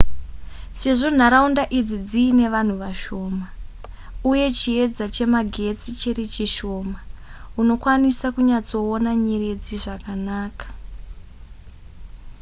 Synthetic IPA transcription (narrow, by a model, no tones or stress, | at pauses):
se̞ʐo̞n̤aɾaundaʔid͡zid͡ziːne̞ʋan̤uʋaʃo̞ːma | uje̞t͡ʃie̞d͡zat͡ʃe̞maɡʱe̞t͡sit͡ʃerit͡ʃiʃo̞ːmauno̞kwanisakuɲat͡so̞onaɲere̞d͡ziʐakanaːkḁ